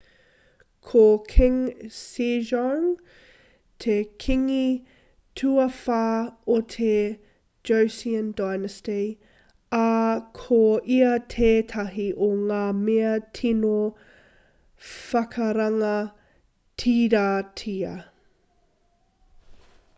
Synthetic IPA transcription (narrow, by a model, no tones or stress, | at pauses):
kʰokʰɪŋsizɔŋ | tʰekʰiŋi | tʰuɐfaːotʰe | d͡ʒowsiəndajnəste | ɐkʰoiɐtʰeːtʰɐɦiʔoŋaːmeɐtʰino | fɐkʰɐɾɐŋɐ | tʰiɾaːtʰiɐ